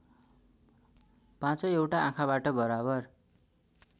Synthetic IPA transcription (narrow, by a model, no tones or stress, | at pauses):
pãt͡sʌewʈaʔãkʰabaʈʌbʌɾabʌr